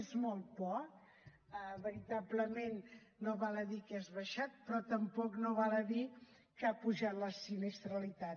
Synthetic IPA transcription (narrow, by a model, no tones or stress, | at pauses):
ezmɔlˠt̪̚bɔk | əβəɾit̪abləmenː | oβaləðikɛzβəʃat̪̚pɾɔt̪əmpɔknoβaləði | kapuʒat̪ləsinest̪ɾəlit̪a